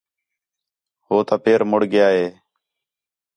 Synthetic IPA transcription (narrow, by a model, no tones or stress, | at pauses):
ɦoːt̪aːpeːɾmʊɽɡɪjaːɦeː